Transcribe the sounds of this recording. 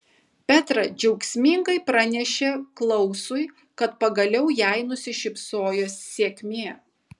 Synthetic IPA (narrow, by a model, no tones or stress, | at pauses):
pʲæt̪ɾɐd͡ʒʲɛʊksʲmʲiŋɡɐɪpɾɐnʲɛʃʲeklˠɐʊsʊɪ | kɐt̪pɐɡɐlʲɛʊjæɪnʊsʲɪʃʲɪpsoːjoːsːʲeɛkʲmʲeːɛ